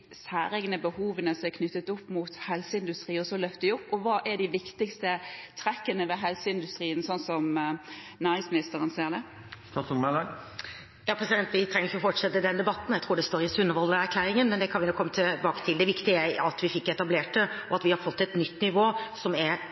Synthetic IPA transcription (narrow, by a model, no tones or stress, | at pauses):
sæːɾɛɡnəbəhuːʋənəsɔɛkʰnʏt̪ːət̪ʊpːmʊt̪hɛlsəɪnd̪ʉst̪ɾiːɔsɔlœft̪əɪʊpːɔʋɑːʔæɖɪʋɪkt̪ɪkst̪ət̪ʰɾɛkːənəʋɛɦɛlsəɪnd̪ʉst̪ɾiːənsɔnsɔm | næːɾɪŋsmɪnɪst̪əɾənsiːəɾd̪ɛ | st̪ɑsmɛlɑ | jɑːpʰɾɛsɪd̪ɛnt̪ʋɪt̪ʰɾɛŋəɾɪçʊfɔʈʂɛt̪ːəd̪ɛnd̪ɛbɑt̪n̩jæt̪ʰɾuːɖɛst̪oːɾɪsʉnːəʋɔld̪əɾæɾkʰlæːɾɪŋənmɛnd̪ɛkʰɑnʋɪnuːkʰːɔmːət̪ʰɪbɑːkə̥t̪ʰɪld̪ɛʋɪkt̪ɪəæɪɑt̪ʋɪfɪkːɛt̪ɑbleːʈəɔɑt̪ʋɪhɑɾfɔt̪ːɛt̪nʏt̪ːnɪʋoːsɔmæɾ